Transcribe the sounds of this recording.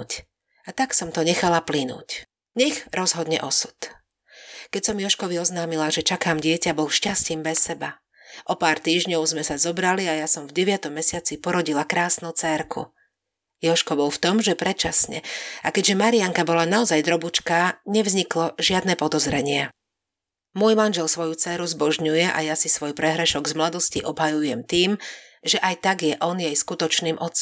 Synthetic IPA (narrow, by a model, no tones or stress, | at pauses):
c | at̪aksɔmt̪ɔɲɛxalaplinṵːc | ɲɛɣɾɔzɦɔd̪ɲɛ̰ʔɔsu̥t̪ | kɛcsɔmjɔʃkɔʋiɔznaːmilaʒɛt͡ʃakaːmɟɪɛcabɔlʃcasciːmbɛsːɛba | ʔɔpaːɾt̪iːʒɲɔʊzmɛsazɔbɾaliajasɔmvɟɛʋɪat̪ɔmːɛsɪat͡sipɔɾɔɟilakɾaːsnut͡sɛɾkʰṵ | jɔʃkɔbɔlft̪ɔmʒɛpɾɛt͡ʃasɲɛ̰akɛɟʒɛmaɾiaŋkabɔlanaɔzajd̪ɾɔbut͡ʃkaːɲɛvzɲiklɔʒɪad̪nɛːpɔd̪ɔzɾɛɲɪɛ | mʊɔjmanʒɛlsʋɔjut͡sɛːɾuzbɔʒɲujɛʔa̰jasisʋɔjpɾɛɦɾɛʃɔɡzmlad̪ɔsciʔɔbɦajujɛmt̪iːm | ʒɛʔajt̪aɡjɛʔɔnjɛjskut̪ɔt͡ʃniːmʔɔt͡sːɔ